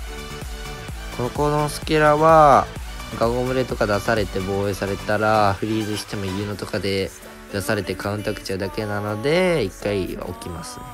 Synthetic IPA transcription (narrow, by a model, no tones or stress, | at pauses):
kʰo̞nokonosɨ̥kʲeɾaβa | ɡaŋɡomɯ̟ɾe̞t̪o̞kad̪asaɾe̞t̪e̞bo̞ːe̞ːsaɾe̞t̪aɾaɸɯ̟ɾʲiːzɨɕi̥t̪e̞mo̞jɯ̟ːno̞t̪o̞kad̪e̞ | d̪̥asaɾe̞t̪e̞kaɯ̟̃nt̪akɯ̟̥t͡ɕaɯ̟d̪ake̞nano̞d̪e̞ikːaḭo̞̰kʲimasɨ̥̰